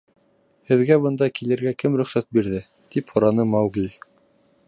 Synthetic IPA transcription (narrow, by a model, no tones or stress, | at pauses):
hɘ̆ðɡæbɤ̆nd̪ɑkilɘ̆ɾɡækɘmɾɵ̆χsæt̪̚biɾðɘ | t̪iphŏɾɑnɤmɑwɡilʲ